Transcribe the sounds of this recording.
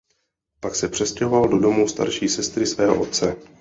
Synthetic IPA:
paksɛpr̝̥ɛscɛɦo̞valdo̞do̞must̪a̰ɾʃiːsɛst̪ɾɪsvɛːɦoʔo̰t̪̚t͡sɛ

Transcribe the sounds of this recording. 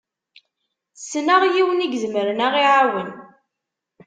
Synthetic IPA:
sːnaʁjiwəniɡzməɾənæʁiʕawən

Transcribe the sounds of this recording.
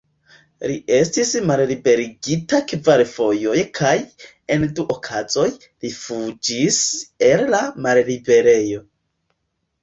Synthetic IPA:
liʔe̞stismallibe̞ɾiɡitakvaɾfo̞jo̞jkʰaj | e̞nduʔokʰazo̞j | lifud͡ʒise̞llamallibe̞ɾe̞jo̞

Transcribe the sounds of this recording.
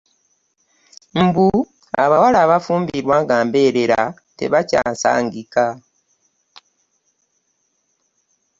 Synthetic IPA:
m̩bu | a̰βawalaːβafuːmbiɾwaːŋɡaːmbe̞ːɾe̞ɾa | te̞̰βaca̰ːnsa̰ːŋɡika

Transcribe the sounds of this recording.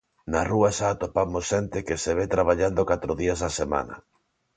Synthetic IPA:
naruaʃaːt̪opamosʃɛnt̪ɪkeseβ̞et̪ɾaβ̞aʎand̪okat̪ɾoðiɐsasema̰nɐ̰

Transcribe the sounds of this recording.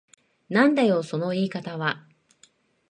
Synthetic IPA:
nãnd̪ajo̞ːso̞no̞iːkat̪aβa

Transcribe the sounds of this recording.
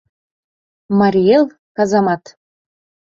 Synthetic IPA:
mɑɾʲielˠ | kɑzɑmɑt̪

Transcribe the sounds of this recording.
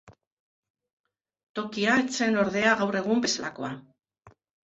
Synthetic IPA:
t̪o̞kiaet͡se̞no̞ɾðe̞aɣawre̞ɣ̞umbe̞salako̞̰a

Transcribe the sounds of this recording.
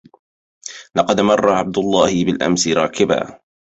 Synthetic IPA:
lɑqɑd̪mɑrˤːɑʕab̚d̪ʊlˤːɑːhɪbɪlʔa̰msɪɾˤɑːkɪba̰ː

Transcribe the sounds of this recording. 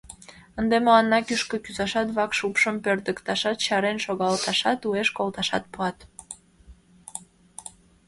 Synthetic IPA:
ənd̪eməlɑnːɑkyʃkəkyzɑʃɑt̪βɑkʃupʃəmpørd̪əkt̪ɑʃɑt̪ɕɑɾenʃoɣɑlt̪ɑʃɑt̪ueʃkolt̪ɑʃɑ̰t̪̚puɑt̪

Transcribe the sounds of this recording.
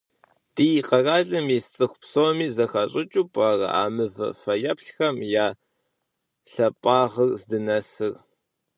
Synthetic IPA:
tiːjqɐraːɮɨmist͡sʼɨxʷpsoːmiːzɐxɐɕʼɪt͡ʃʼupʼarɐ̰ʔa̰ːmɨvɐ̰fɐjɐpɬxɐmjaː | ɬɐpʼaːʁərzdɨnɐsɨr

